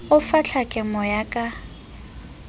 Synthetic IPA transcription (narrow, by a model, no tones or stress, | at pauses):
ʊfaɬʰakʼɪmɔjakʼa